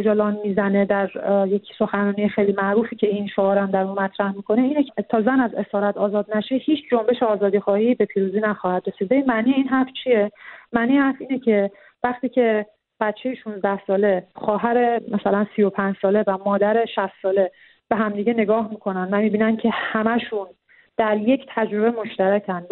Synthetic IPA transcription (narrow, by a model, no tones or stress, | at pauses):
od͡ʒɒlɒːnmiːzæne̞d̪æɾjecʰso̞xænɒːnijexejliːmæʔɾuːfiːcʰe̞inʃoɒːɾænd̪æɾumæt̪ʰɾæhmiːkʰo̞neiːnekʰt̪ʰɒːzænæze̞sɒːɾæt̪ʰɒːzɒːd̪̚næʃehiːt͡ʃʰd͡ʒo̞mbe̞ʃeɒːzɒːd̪iːxɒːhiːbe̞pʰiːɾuːziːnæxɒːhæd̪̥ɾe̞siːd̪̚beinmæniːeiːnɦæɾft͡ʃʰije̞mæːniːhæɾfiːnecʰe̞ | væxt̪iːcʰe̞ | b̥æt̪t͡ʃʰe̞jeʃunzd̪æhsɒːle̞xɒːɦæɾe̞mæsælænsiːjo̞pʰæɲd͡ʒsɒːle̞væmɒːd̪æɾe̞ʃæst̪sɒːle̞ | b̥e̞ɦæmd̪iːɟe̞ne̞ɡɒːɦmiːkʰo̞nænvæmiːbiːnæncʰe̞hæmæʃun | d̪̥æɾje̞cʰt̪ʰæd͡ʒɾo̞be̞mo̞ʃt̪æɾæcʰænd̪